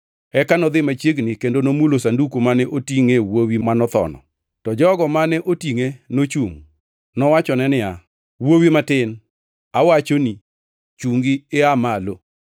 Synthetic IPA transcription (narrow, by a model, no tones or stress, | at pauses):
ɛkanɔd̪ɪmat͡ʃeɡnikendonomulosandukomanɛʔotiŋewowimanɔt̪ɔ̰nɔ̰ | tɔd͡ʒɔɡɔmanɛʔotiŋenot͡ʃuŋ | nɔwat͡ʃɔnɛnɪa | wowimatɪn | awat͡ʃoni | t͡ʃuŋɡiɪamalo